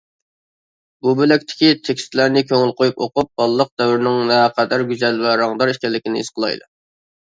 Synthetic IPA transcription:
bubølɛkʲt̪ʰɪ̥kʲit̪ʰekʲst̪læɾnɪkʲʰøŋɪlqojupoqup̚bɑlˠːəq̚d̪ɛwɪɾnɪŋnɛqʰɛd̪æɾɡʲyzɛlvɛɾɑŋd̪ɑɾiʃkʲɛlːɪkʲinɪḭsqʰəlˠɑ̰jd̪u

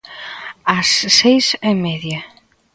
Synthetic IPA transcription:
asːejsemɛðja

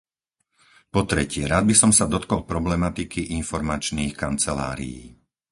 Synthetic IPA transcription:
pɔt̪ɾɛcɪɛɾaːd̪̚bisɔmsad̪ɔt̪kɔlˠpɾɔblɛmat̪ikiʔinfɔɾmat͡ʃniːxkant͡sɛla̰ːɾḭjḭː

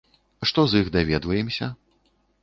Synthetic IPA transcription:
ʂt̪ɔziɣd̪avʲɛd̪vɐjɛmsʲɐ

